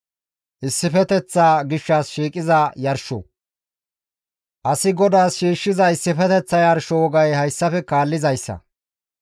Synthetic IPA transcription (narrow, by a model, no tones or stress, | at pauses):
ʔɪsːɪfɛt̪ɛt͡sːaːɡɪʃːaːsʃiːkʼɪzɐjɐɾʃɔ̰ | ʔɐsɪɡɔd̪aːsʃiːʃːɪzɐɪsːɪfɛt̪ɛt͡sːɐjɐɾʃɔwɔɡɐjhɐjsːɐfɛkaːlːɪzɐjsːɐ̰